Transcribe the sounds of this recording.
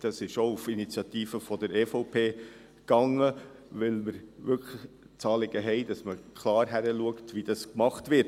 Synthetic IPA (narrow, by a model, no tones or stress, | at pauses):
d̥ɑsɪʃoufinit͡sjɑt̪iːfəfɔdəɾeːfɔʊpʰeː | kɑŋːəvɪlməɾʋʏkʰlə | t͡sɑːlɪɡ̥əɦɛɪdɑsməkʰlɑːɾɦæɾəluəktʋid̥ɑskmɑχtʋɪt